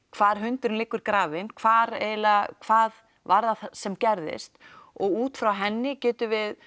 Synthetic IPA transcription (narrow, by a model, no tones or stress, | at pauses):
kʰv̥aːɾ̥ɦʏnt̪ʏɾʏnlɪːkːʏɾ̥kɾaːvɪnkʰvaːɾɛlakʰv̥aːð | vaɾðasɛmcɛɾðɪ̰st̪ɔɣuːt̪fɾawɦɛnːɪcɛːt̪ʏvɪð